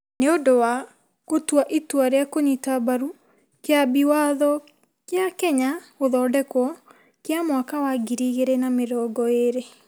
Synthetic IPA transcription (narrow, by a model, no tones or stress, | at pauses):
neodowa | kotwaʔitwaɾeakoɲitabaɾu | keabiwaðɔ | kjakɛɲaoðɔːdɛkwɔ | kjamwakawaɡiɾiɣeɾɛnameɾɔːɡɔeɾe